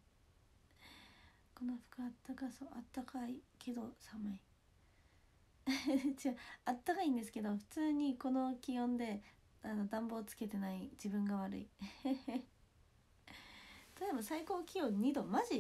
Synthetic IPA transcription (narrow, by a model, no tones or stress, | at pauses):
ko̞no̞ɸɯ̥kɯat̪ːakasoʔat̪ːakaikʰe̞d̪o̞samai | t͡ɕiaat̪ːakaĩːnd̪e̞sɨ̥ke̞d̪o̞ɸɯ̟̥t͡sɨːɲ̟iko̞no̞kʲijõ̞nd̪e̞ | ano̞d̪ãmbo̞ːt͡sɨ̥ke̞t̪e̞naid͡ʑibɯ̟̃ŋɡaβ̞aɾɯ̰i | t̪at̪eebasaiko̞ːkʲijõ̞ɲ̟ːid̪o̞maʑi